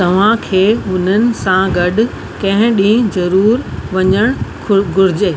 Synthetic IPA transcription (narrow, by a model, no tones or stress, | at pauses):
t̪ɐʋ̤ãkʰeːɦʊn̤ənɪ̆sãɡɐɗʊ̆ | kɐ̃ɦɪ̃ɗĩːɦzɐɾuːɾʋɐɲəɽ̃ | ɡʱʊɾɪd͡ʑeː